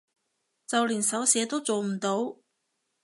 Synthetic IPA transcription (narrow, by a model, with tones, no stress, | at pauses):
t͡sɐ˨wliː˨˩nsɐ˨˥wsɛː˨˧˥t̪o˥wt͡so˨wm̩˨˩t̪o˨˥w